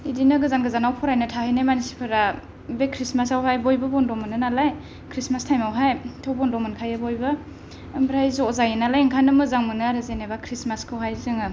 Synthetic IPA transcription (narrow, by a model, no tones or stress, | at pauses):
idinɯɡɯzanɡɯzanawpʰɔɾajnɯtʰahajnamanisi̥pʰɯɾa | bekʰɾismasawɦajbojbɯbɔndɔmɯnɯnalaj | kʰɾismastʰajmawɦajtʰowbɔndɔmɯnkʰajɯbojbɯː | mɾajzɔzajinalajŋkʰanɯmɯzaŋmɯnɯaɾɯzenebakʰɾismaskʰɯwɦajzɯŋɯ